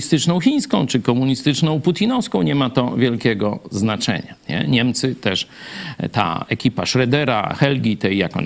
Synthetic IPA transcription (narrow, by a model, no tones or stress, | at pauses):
ist̪ɘt͡ʂnɔ̃w̃xʲij̃skɔ̰̃w̃t͡ʂɘkɔmuɲist̪ɘt͡ʂnɔ̃w̃put̪ʲinɔfskɔ̃w̃ɲɛmat̪ɔvʲjɛlkʲɛɡɔ̰znat͡ʂɛ̰ɲaɲɛ̰ɲɛmt̪sɘt̪ɛʂt̪a̰ɛkʲipaʂɾɛd̪ɛɾa̰xɛlɡʲit̪ɛjːjakɔ̰n